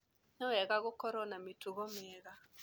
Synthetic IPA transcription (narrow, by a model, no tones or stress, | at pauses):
nɔɛɣaɣokɔɾɔnametuɣɔmɛɣa